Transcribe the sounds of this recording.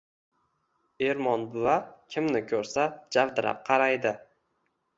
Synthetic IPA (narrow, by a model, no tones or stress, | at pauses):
e̞ɾmɒnbʊvakʲʰɪmnɪkʰɵɾsad͡ʒavd̪ɪɾa̰p̚qʰɑɾajd̪ɪ